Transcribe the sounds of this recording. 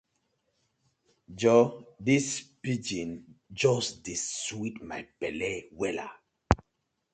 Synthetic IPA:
d͡ʒɔdispid͡ʒĩnd͡ʒɔsdiswitmajpɛlɛwɛla̰

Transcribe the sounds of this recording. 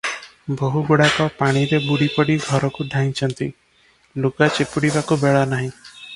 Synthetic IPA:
boɦuɡuɽakɔpaɽ̃iɾebuɽipɔɽiɡʱɔɾɔkudʱãĩt͡ʃʰɔnt̪ḭ | lukat͡ʃepuɽibakubeɭɔnaɦĩ

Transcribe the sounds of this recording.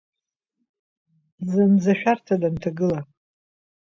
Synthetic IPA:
zɨnzaʃᶣartʰadantʰaɡɨla

